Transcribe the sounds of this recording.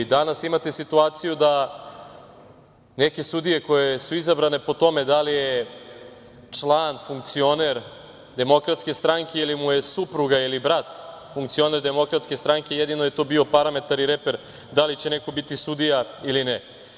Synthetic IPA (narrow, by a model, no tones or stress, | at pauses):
d̪anasimat̪esit̪uaːt̪sijud̪a | neke̞sud̪ije̞ko̞jesuizabɾane̞po̞t̪o̞me̞d̪alije | t͡ʂlˠaːnfuŋk̚t̪sio̞neɾ | d̪e̞mo̞kɾat̪ske̞st̪ɾaŋke̞ilimujesupɾuɡailibɾat̪fuŋkt̪sio̞ne̞ɾd̪e̞mo̞kɾat̪skest̪ɾaŋke̞jed̪ino̞jet̪o̞ːbio̞paɾamet̪aɾiɾepe̞ɾ | d̪alit͡ɕeneko̞bit̪isud̪ijailine